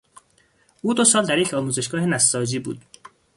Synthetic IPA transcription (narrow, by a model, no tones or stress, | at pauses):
ʔuːd̪osɒːld̪æɾjecʰɒːmuːze̞ʃɡɒːhenæsːɒːd͡ʒiːbṵːd̪̥